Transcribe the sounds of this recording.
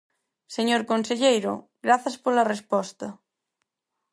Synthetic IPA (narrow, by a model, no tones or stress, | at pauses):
seɲoɾkonseʎejɾo̰ | ɣɾaθaspolarespɔst̪ɐ